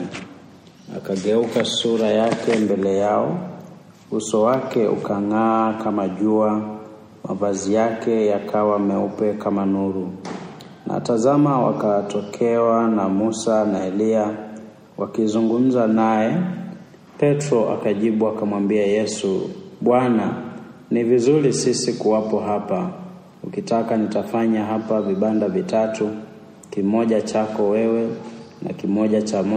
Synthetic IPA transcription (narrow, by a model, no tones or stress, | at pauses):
a̰kaɠɛukasuɾajakɛmbɛlɛjaɔ | usɔwakɛṵkaŋaːkamaʄua | ma̰vazijakɛjakʰawamɛupɛkamanuɾu | na̰tazamawa̰katɔkʰɛwanamusanaɛlia | wakizuŋɡum̩zanajɛ | pɛtɾɔʔa̰kaʄiɓuakamwambiajɛsṵɓwananivizuɾisisikuwapɔɦapa | ukitakanitafaɲaɦapaviɓandavitatu | kimɔʄat͡ʃakɔwɛwɛ | na̰kimɔʄat͡ʃam